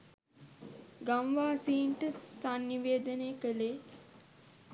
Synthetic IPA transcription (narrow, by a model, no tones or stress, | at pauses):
ɡamʋaːsiːɳʈəsanːiʋeːd̪əneːkəleː